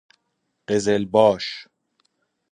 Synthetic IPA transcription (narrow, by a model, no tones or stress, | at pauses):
ɢ̥ezelbɒːʃ